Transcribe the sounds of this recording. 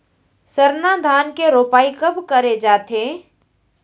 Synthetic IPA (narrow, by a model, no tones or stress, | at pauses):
səɾnad̪ʱaːnkeɾoːpaːikɐbʱkəɾed͡ʒaːt̪eː